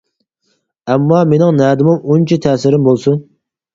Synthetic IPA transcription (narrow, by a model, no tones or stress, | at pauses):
ɛmːɑmenɪŋnɛːd̪ɪmʊŋunt͡ʃʰit̪ʰɛːsɪɾɪmbolˠsun